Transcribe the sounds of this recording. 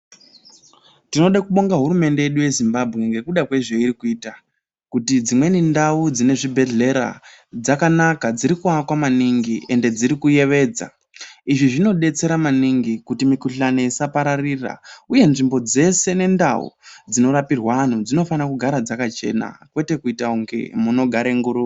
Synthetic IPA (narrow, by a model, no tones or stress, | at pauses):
tino̞ɗakuɓo̞ŋɡaɦuɾume̞nde̞jeɗuje̞zimbabʱɣeŋɡe̞kuɗakwe̞ʐe̞iɾikuiːta | kutid͡zimwe̞nindaud͡zine̞ʐibʱe̞ɮe̞ɾa̰ | d͡zakanakad͡ziɾikuakwamaniŋɡiʔe̞nde̞d͡ziɾikuje̞ʋe̞ːd͡za̰ | iʐiʐino̞ɗe̞t͡se̞ɾamaniŋɡikutimikuɬane̞isapaɾarira̰uje̞nʐimbo̞d͡ze̞se̞ne̞nda̰ṵd͡zino̞ɾapirwaan̤ud͡zino̞fanakuɡʱaɾad͡zakat͡ʃe̞̰na̰kwe̞te̞kuitauŋɡe̞̰muno̞ɡʱaɾe̞ŋɡuɾu